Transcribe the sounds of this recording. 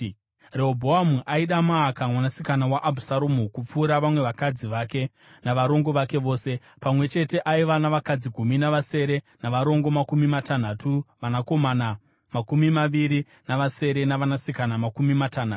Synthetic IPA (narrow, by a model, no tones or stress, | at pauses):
reɦobʱo̞amuʔaiɗamaːkamwanasikanawaʔabʱusaɾomukup͡fuːɾaʋamwe̞ʋakad͡ziʋake̞ | naʋaɾo̞ŋɡo̞ʋake̞ʋo̞ːse̞ | pamwe̞t͡ʃe̞te̞ʔaiʋanaʋakad͡ziɡʱuminaʋase̞ɾe̞ | naʋaɾo̞ŋɡo̞makumimatan̤atuʋanako̞mana | makumimaʋiɾi | naʋase̞ɾe̞naʋanasikanamakumimatan̤aːtu̥